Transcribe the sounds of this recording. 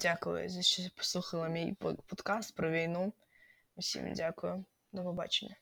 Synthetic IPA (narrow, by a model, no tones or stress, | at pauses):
d̥ʲakʊjʊ̰zɛt͡ʃɔpɔ̥slˠuxɐlˠɐmʲijpɔt̪kɑst̪pɾɔʋʲijnu | ʊsʲḭmdʲakʊjʊ | d̪ɐpɔbɑ̰t͡ʃenʲːɐ